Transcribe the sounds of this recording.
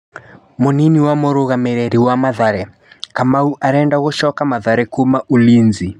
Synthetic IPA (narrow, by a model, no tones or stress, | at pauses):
moniniwamoɾoɣameɾɛɾiwamaðaɾɛ | kamauʔaɾɛndaɣoʃɔkamaðaɾɛkomaʔolinzi